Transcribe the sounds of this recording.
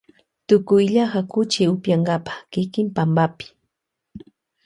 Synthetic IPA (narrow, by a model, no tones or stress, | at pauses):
t̪ʊkʊjʎaɢakʊt͡ʃɪʊpjaŋɡapḁχkɪkɪmpambapɪ̥